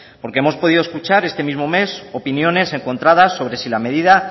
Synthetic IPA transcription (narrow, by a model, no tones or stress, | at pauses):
po̞ɾkeemo̞spo̞ðiðoskut͡ʃaɾe̞st̪e̞mizmo̞me̞so̞pinjo̞ne̞se̞ŋko̞nt̪ɾaðasːo̞β̞ɾe̞silame̞ðiða